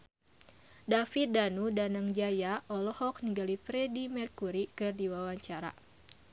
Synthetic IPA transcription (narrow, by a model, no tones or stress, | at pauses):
dafit̪̚danudanaŋd͡ʒajaʔɔlɔhɔk̚niŋɡalipɾɛdimɛrkuɾikɨrdiwawaɲt͡ʃaɾa̰